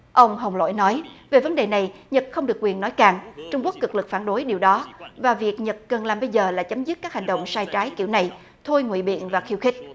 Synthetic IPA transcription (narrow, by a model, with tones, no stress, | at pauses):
ʔə˧wŋ͡mɦə˨˩wŋ͡mlo̰˧˥˨jnɔ˨˦jve˨˩və˨˦nɗe˨˩na˨˩jɲə˨˩t̚xə˧wŋ͡mɗɨ˨˩əkwi˨˩ənːɔ˨˦jkaː˨˩ŋt͡ɕʊ˧ŋ͡mku˦˥ək̚kɨ˨˩k̚lɨ˨˩k̚faː˧˩nɗo˨˦jɗi˨˩əwɗɔ˨˦vaː˨˩vi˨˩ək̚ɲə˨˩t̚kə˨˩nlaː˨˩mɓə˧jzəː˨˩la̰ː˧˩t͡ɕə˨˦mzɨ˦˥t̚kaː˦˥k̚ha˨˩ŋ̟ɗə̰˧˨wŋ͡msaː˧jt͡ɕaː˨˦jki˧˩wna˨˩j | t̪ʰo˧jŋwḭ˧˨ɓḭ˧˨ənvaː˨˩xi˧wxï˦˥k̟̚